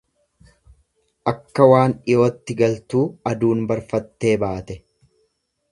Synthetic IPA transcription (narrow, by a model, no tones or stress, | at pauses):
ʔɐkːɐwaːnɪjo̞ːt̪ːɪɡɐlt̪uːɐd̪uːnbɐɾfɐt̪ːe̞ːbaːt̪ɛ